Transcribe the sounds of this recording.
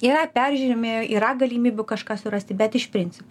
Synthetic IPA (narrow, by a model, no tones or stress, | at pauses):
iːɾɐpʲɛrʲʒʲuːɾʲɪmʲeːjoːʔiːɾɐɡɐlʲiːmʲiːbʲʊkɐʃkɑːsʊɾɐsʲt̪ʲɪbʲɛt̪ɪʃpʲɾʲɪnʲt͡s̪ʲɪpp